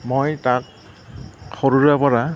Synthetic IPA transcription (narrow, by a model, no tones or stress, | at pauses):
mojtak̚ | xɔɹuɹapɔɹa